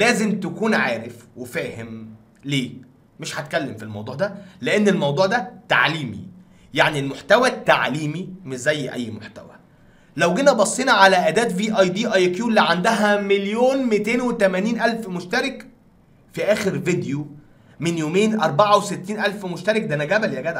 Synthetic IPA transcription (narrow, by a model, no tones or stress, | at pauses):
læːzemt̪ækuːnʕaːɾefwefæːhem | leː | meʃhæt̪kælːemfilmɑ̰wd̪ˤuːʕd̪æleʔenːelmɑwd̪ˤuːʕd̪æt̪a̰ʕliːmḭ | jaʕnilmoħt̪æwæt̪ːa̰ʕliːmimeʃzæjːʔæ̰jːmoħt̪æ̰wæ̰ | læwɡenæbɑsˤːenɑʕalæʔæːd̪æːt̪viːʔɑjd̪iːʔɑjkjuːlːiʕand̪æɦæmeljoːnmet̪eːnwet̪æmæniːnʔælfmoʃt̪æɾek | fiʔæːxeɾved̪jo | menjoːmeːnʔɑɾˤbaʕɑweset̪ːiːnʔælfmoʃt̪æɾˤek̚d̪ænæɡæbæljæɡæːd̪